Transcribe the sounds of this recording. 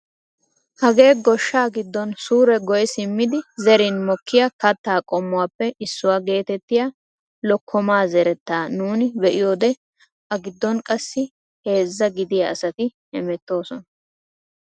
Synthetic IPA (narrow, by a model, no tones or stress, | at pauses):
hɐɡe̞ːɡɔʃːaːɡɪd̪ːɔnsuːɾɛɡɔjɛsɪmːɪd̪ɪzɛɾɪnmɔkːɪjɐkɐt̪ːaːkʼɔmːʊwaːpːɛʔɪsːʊwaːɡe̞ːt̪ɛt̪ːɪja | lɔkʰːɔmaːzɛɾɛt̪ːaːnuːnɪbɛʔɪjo̞ːd̪ɛ | ʔɐɡɪd̪ːɔnkʼɐsːɪ | he̞ːzːɐɡɪd̪ɪjɐɐsɐt̪ɪhɛmɛt̪ːo̞ːsɔnɐ